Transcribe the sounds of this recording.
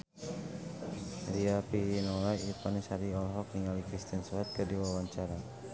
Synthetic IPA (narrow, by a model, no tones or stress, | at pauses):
ɾiapinolaipanisaɾiɔlɦɔk̚niŋɡalikɾist̪iansɔat̪̚kədiwawaɲt͡ʃaɾa